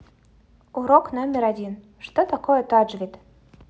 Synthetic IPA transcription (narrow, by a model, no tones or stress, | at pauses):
uɾɔknɔmʲɛɾad͡zʲin | ʂt̪ɔt̪akɔjɛt̪ɔʐvʲit̪